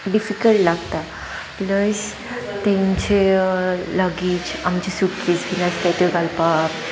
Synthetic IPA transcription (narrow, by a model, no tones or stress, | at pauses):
ɖifikəlʈlaɡt̪a | pləɕ | t̪ẽɲt͡ɕe | ləɡiːt͡ɕamt͡ɕesuʈkit͡sɡʱinast̪ajt̪eɡalpa